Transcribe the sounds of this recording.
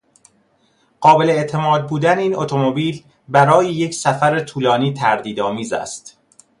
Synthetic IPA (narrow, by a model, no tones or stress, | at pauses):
ɢ̥ɒːbe̞le̞et̪ʰe̞mɒːd̪̚buːd̪æneiːnot̪ʰo̞mo̞biːl | bæɾɒːjejecʰsæfæɾet̪ʰuːlɒːniːt̪ʰæɾd̪iːd̪ɒːmiːzæ̰st̪